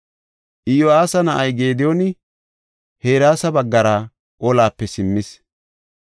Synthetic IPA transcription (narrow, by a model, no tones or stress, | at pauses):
ʔɪjɔaːsɐnɐʔɐjɡeːd̪ɪjɔnɪ | he̞ːɾaːsɐbɐɡːɐɾa | ʔɔlaːpːɛsɪmːɪs